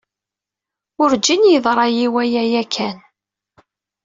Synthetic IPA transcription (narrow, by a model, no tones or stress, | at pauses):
ʊɾd͡ʒːinjiðˤɾˤɑjiwæjæjækʰæn